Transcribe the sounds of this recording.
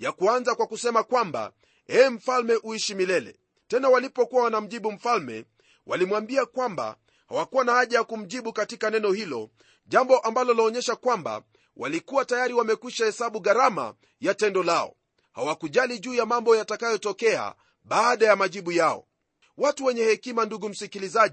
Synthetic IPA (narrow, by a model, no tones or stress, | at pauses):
jakuanzakwakusɛmakwamba̰ | ɛm̩falmɛʔuiʃimilɛlɛ̰ | tɛnawalipɔkuwawanam̩ʄiɓum̩falmɛ̰ | wʔa̰limwambiakwamba̰ | ha̰wakuwanahaʄajakum̩ʄiɓukatikanɛnɔhilɔ̰ | ʄambɔʔambalɔlɔːɲɛʃakwamba̰ | wa̰likuwatajaɾiwamɛkwiʃahɛsaɓuɣaɾama̰ | jatɛndɔlaɔ̰ | hawakuʄaliʄuːjamambɔjatakajɔtɔkɛa̰ | ɓaːɗajamaʄiɓujaɔ̰ | watuwɛɲɛhɛkimanduɡum̩sikilizaʄi